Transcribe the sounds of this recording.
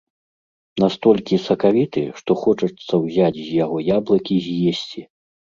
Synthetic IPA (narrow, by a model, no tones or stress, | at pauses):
nast̪ɔlʲkʲisɐkavʲit̪ɨʂt̪ɔxɔt͡ʂɐt̪sːɐwzʲat͡sʲzʲjaɣɔjablˠɐkʲizʲjesʲt͡sʲi